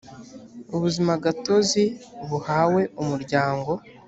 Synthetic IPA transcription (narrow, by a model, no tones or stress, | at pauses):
uβuzimaɡato̞ziβuhawe̞umuɾɟaːŋɡo̞